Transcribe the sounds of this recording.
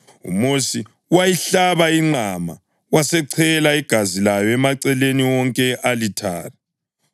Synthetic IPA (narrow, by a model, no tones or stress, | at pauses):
ṵmosi | wajiɬaβaiŋ͡ǀʱama̰ | wasɛǀʰɛlaiɡ̥ʱazilajɔɛmaǀɛleniwɔŋkʼɛʔalitʰa̰ːla